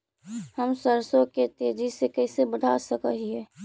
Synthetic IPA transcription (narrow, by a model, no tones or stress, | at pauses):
həmsəɾsõket̪ed͡ʒisekəɪsebədʱasəkəɦiɦɛː